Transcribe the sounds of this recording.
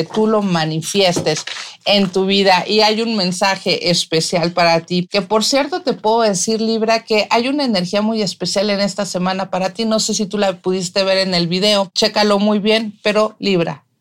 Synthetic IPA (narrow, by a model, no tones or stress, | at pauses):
et̪ulo̞manifje̞st̪e̞se̞nt̪uβ̞iðaʔiajunmẽ̞nsaxe̞ʔespe̞sjalpaɾat̪ike̞po̞ɾsje̞ɾt̪o̞t̪e̞pwe̞ðo̞ðe̞siɾliβɾake̞ʔajunaene̞ɾxiamuje̞spe̞sjale̞ne̞st̪asemãnapaɾat̪ino̞se̞s̬it̪ulapuðist̪e̞β̞e̞ɾe̞ne̞lβið̞e̞o̞t͡ʃe̞kalo̞mujβje̞npe̞ɾo̞liβ̞ɾa̰